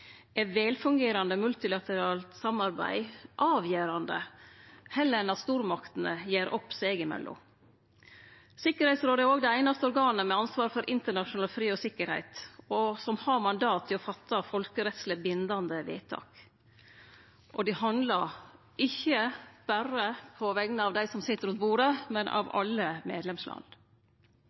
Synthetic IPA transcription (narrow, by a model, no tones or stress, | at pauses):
ɛʋeːlfʉŋɡeːɾɑnd̪əmʉlt̪ɪlɑt̪əɾɑːlt̪sɑmɑɾbæ̰ɪʔɑːʋjeːɾɑnd̪ə̰ | hɛlːəɾɛnɑt̪st̪uːɾmɑkt̪n̩əjeːɾʔɔpːst̪eːɡɪmɛ̰lːɔ̰m | sɪkːəɾhæɪt̪sɾoːd̪əæɾoːɡd̪ɛæɪnɑst̪əɔɾɡɑːnəmɛɑnsʋɑːɾfɔɾʔɪnt̪əɳɑʂʊnɑːlfɾiːɔsɪkːəɾhæ̰ɪt̪ɔsɔmhɑɾmɑnd̪ɑːt̪ʰːɪɔfɑt̪ʰːɑfɔlkəɾɛt̪sləbɪnd̪ɑnd̪əʋḛːt̪ʰɑ̰ːk | ʔɔd̪ɪhɑnd̪lɑɾ | ɪçːəb̥æɾəpʰɔʋɛɡnəɑʋd̪æɪsɔmsɪt̪ːəɾʉnt̪̚buːɾəmɛnʔɑ̰ʋɑ̰lːəmḛːd̪lɛmslɑ̰n